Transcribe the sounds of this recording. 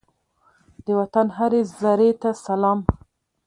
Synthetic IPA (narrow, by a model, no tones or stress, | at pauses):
d̪əwat̪anɦaɾezaɾet̪asalɑm